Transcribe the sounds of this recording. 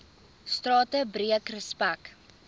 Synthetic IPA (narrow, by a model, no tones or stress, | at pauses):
strɑːtəbriəkrəspæk